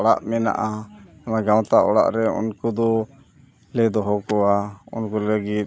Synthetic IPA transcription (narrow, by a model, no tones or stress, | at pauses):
ɔɽa̰ʔmɛna̰ʔaɔnaɡaw̃t̪aʔɔɽa̰ʔɾɛṵnkɔd̪ɔ | lɛd̪ɔɦɔkɔaṵnkɔləɡit̪̚